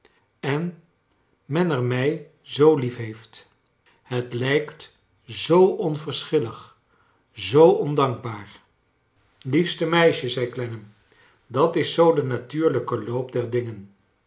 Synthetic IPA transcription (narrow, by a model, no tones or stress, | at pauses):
ɛn | mɛnɛɹmɛj | zowlifɦejft | hətlɛjkt | zowʔɔnvəɹsχɪləχ | zowʔɔndɑŋɡ̚baːɹ | lifstəmɛjʃəzɛjklɛnəm | dɑtɪsowdənatyːɹləkəlowp̚dɛɹdɪŋən